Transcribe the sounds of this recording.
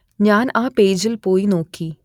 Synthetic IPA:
ɲaːnãːpeːd͡ʒəlpoːinoːkʰiː

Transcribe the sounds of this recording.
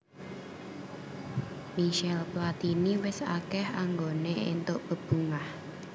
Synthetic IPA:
miʃɛlplat̪iniwɪsa̰kɛhaŋɡoneḛnt̪ʊʔb̥ə̤b̥uŋah

